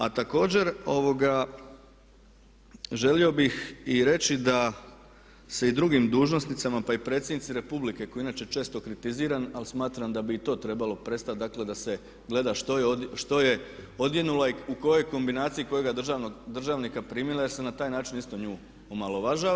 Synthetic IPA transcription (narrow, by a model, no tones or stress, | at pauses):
at̪ako̞ːd͡ʑe̞ɾo̞ʋo̞ɡa | ʒe̞lio̞bixiɾe̞t͡ʃid̪a | se̞id̪ɾuɡimd̪uːʒno̞snit̪samapaipɾe̞ːt̪sjenit̪siɾe̞publike̞ko̞jiinaːt͡ʃejet͡ʃe̞ːst̪o̞kɾit̪iziːɾanalsmaːt̪ɾamd̪abiːt̪o̞ːt̪ɾe̞balo̞pɾe̞st̪at̪̚d̪akle̞d̪ase̞ | ɡle̞d̪aʃt̪ojeod̪ʃt̪o̞je̞o̞d̪je̞nulaiuko̞jo̞jko̞mbinaːt̪sijiko̞jo̞ɡaʒand̪r̩ʒaːʋnikapɾimilajeɾsenat̪aːjnaːt͡ʃinist̪o̞ɲuː | omalˠoʋaʒaʋ